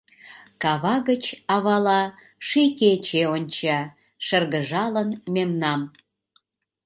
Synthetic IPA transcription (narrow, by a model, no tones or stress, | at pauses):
kɑβɑɣət͡ɕɑβɑlɑ | ʃiket͡ɕeonʲt͡ɕɑ | ʃərɣəʒɑlənmemnɑm